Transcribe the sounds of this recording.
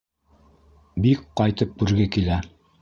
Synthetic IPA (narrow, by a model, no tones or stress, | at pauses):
bikqɑjt̪ɤp̚kʉɾɡɘkilæ